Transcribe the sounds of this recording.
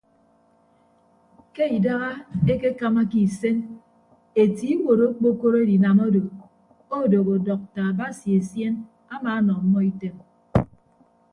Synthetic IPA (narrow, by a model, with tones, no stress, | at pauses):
ke˦i˨da˦ɣa˦e˦ke˦ka˦ma˦ki˨se˦n | e˨ti˦wo˨ɾo˦k͡po˦ko˦ɾo˦e˦di˨na˨mo˦do˨ | o˦˨do˨ɣo˨dɔ˨k̚ta˨ba˦si˨e˨sje˦n | a˦maː˨˦nɔ˨˦mːɔ˦i˦te˦m